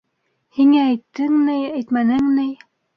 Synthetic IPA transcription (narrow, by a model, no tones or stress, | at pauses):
hiŋæːjt̪ːɘŋnɘæjt̪mænɘŋnɘj